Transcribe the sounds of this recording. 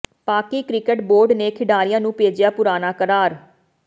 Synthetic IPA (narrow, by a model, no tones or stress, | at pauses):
paːkiːkɾɪkəʈboːɾɖneːkʰɪɖaːɾɪjãːnũːpeːd͡ʒɪjaːpʊɾaːnaːkəɾaːɾ